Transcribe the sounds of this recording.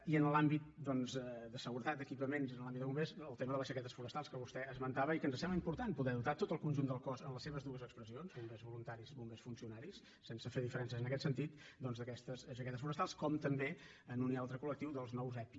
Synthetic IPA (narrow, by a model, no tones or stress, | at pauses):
iənlambit̪̚d̪ɔnzɛd̪əsəɣuɾət̪at̪̚d̪əkipəmenzinlˠambid̪əβumbezəlˠt̪eməðəlˠəzʒəkɛt̪əsfuɾəst̪alˠskəβust̪ɛəzmənt̪aβəikənzəsɛləimpuɾt̪anpuðɛðut̪at̪ot̪əlˠkunʲʒund̪əlˠkɔzənləsːeβəzðuəzəkspɾəzionzumbezβulunt̪aɾizβumbesfunsiunaɾisːensəfeðifəɾɛnsəzənəkɛt̪sənt̪it̪̚d̪ɔnzðəkɛst̪əsʃəkɛt̪əsfuɾəst̪alˠskɔmt̪əmbe | ənunialˠt̪ɾəkulək̚t̪iwðəlˠznɔwzɛpi